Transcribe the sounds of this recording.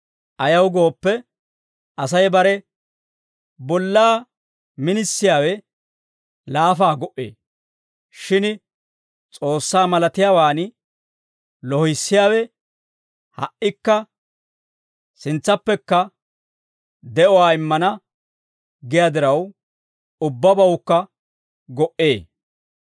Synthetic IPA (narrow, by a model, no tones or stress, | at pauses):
ʔɐjɐwɡo̞ːpːɛ | ʔɐs̬ɐjbɐɾɛ | bɔlːaː | mɪnɪsːɪjaːwɛ | laːfaːɡɔʔḛː | ʃɪn | t͡sʼo̞ːsːaːmɐlɐt̪ɪjaːwaːn | lɔhɪsːɪjaːwɛ | hɐ̰ʔːɪkːɐ | sɪnt͡sːɐpːɛkːɐ | d̪ɛʔɔwaːɪmːɐnɐ | ɡɪjad̪ɪɾɐw | ʊbːɐbɐwʊkːɐ | ɡɔʔeː